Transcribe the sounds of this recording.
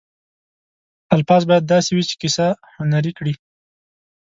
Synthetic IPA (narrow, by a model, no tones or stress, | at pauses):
alfɑzbɑjad̪ːɑsewit͡ʃe̥kisa | hʊnaɾikɽi